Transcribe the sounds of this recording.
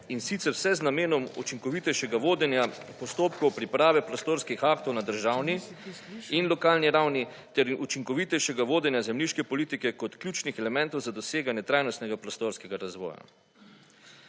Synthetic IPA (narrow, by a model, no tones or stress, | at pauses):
insit̪sɛɾwsɛznameːnɔmṵt͡ʃiŋkɔʋit̪ɛjʃɛɡaʋoːd̪ɛnjapɔst̪oːpkɔwpɾipɾaːʋɛpɾɔst̪oːɾskixakt̪ɔwnad̪əɾʒaːwni | inlɔkaːlniɾawni | t̪ɛɾut͡ʃiŋkɔʋit̪ɛjʃɛɡaʋoːd̪ɛnjazɛmliʃkɛpɔliːt̪ikɛkɔt̪kljuːt͡ʃnixɛlɛmɛnt̪ɔwzad̪ɔseːɡanjɛt̪ɾaːjnɔst̪nɛɡapɾɔst̪oɾskɛɡaɾazʋɔ̰ːja̰